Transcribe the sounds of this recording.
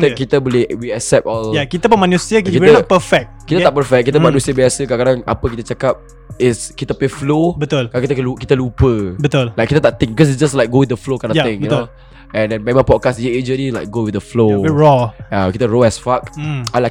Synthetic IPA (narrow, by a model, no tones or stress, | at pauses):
it̪əkit̪əbɔliwiasɛp̚ɔljakit̪əbəmanũsiəkiipəfɛk̚tkit̪ət̪aʔpəfɛk̚kːit̪əmãnũsiəbiasəkakadãŋa̰pək̬it̪ət͡ʃakap̚ | ɪskit̪əpeflobət̪ulkakit̪əkəlukit̪əlupəbət̪ullajkit̪ət̪aʔt̪ɪ̃ŋbikɔs̬itsd͡ʒaslaɪjk̚ɡowɪd̪əflokadãjt̪ɪ̃ŋəno | ɛ̃ndɛ̃nmẽmãpɔd̚kasjəed͡ʒəlilaɪk̚ɡowɪəflowiɹɔjakit̪əɹoɛsfakalaɪk̚